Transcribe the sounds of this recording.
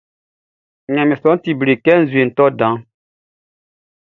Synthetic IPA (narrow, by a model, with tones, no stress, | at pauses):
ɲɛ̃˨mĩ˨sɔ̃˨˦ti˨bɾe˨kɛ˦n̩˨zwe˨n̩˨tɔ˦dã˨˦